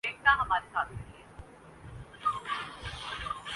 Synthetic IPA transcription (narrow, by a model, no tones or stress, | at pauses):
eːk̚naɦɐmaːɾesaːt̪̚ʰkɐɾieː